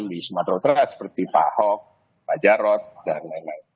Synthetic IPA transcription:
mbismat̪ɾot̪ɾasə̥pərt̪ipa̰hɔk̚ | bad͡ʒaɾɔt̪̚danːɛna

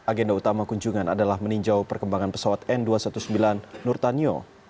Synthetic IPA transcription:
aɡɛndaut̪amakuɲd͡ʒuŋana̰dalahməniɲd͡ʒawpərkəmbaŋanpə̥sawat̪ɛnduasat̪usəmbilanːurt̪anio̰

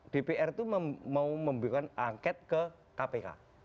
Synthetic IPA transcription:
d̥epeʔɛrt̪uməmauməmbukanaŋkɛt̪̚kə | kapeka̰

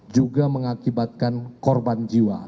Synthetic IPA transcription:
d͡ʒuɡaməŋakibat̪̚kankɔrband͡ʒiwa̰

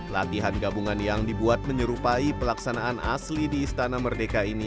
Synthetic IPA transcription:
la̰t̪iɦanɡabuŋanjaŋdibuat̪̚məɲəɾupaipəlaksanaːna̰slidiːst̪anamərdekaini

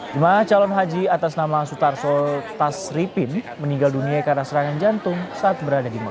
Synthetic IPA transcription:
d͡ʒimanat͡ʃalɔnɦad͡ʒiat̪asnamasut̪arsɔlt̪asɾipɪn | məniŋɡalduniakarənasəɾaŋand͡ʒant̪ʊŋsaːt̪̚bəɾadadimək

